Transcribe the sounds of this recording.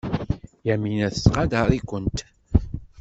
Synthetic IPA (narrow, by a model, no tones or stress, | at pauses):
jæminæθəsqɑd̪əɾˤikʷənt̪